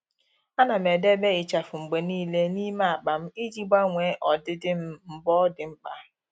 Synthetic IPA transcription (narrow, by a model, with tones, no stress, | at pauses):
a˦na˨me˨de˦be˦ɪ˨t͡ʃa˨fʊ˨ŋ͡m̩˨ɡ͡be˨niː˦le˦ni˦ma˨k͡pa˨m̩˦i˦d͡ʒi˦ɡ͡ba˦ŋʷeː˨˦ʔɔ˨dɪ˦dɪ˦m̩˦m̩˨bɔ˦dɪ˨m̩˦k͡pa˦